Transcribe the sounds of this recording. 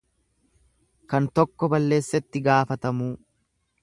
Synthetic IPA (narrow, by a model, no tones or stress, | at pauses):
kɐnt̪ɔkːɔbɐlːe̞ːsːɛt̪ːɪɡaːfɐt̪ɐmuː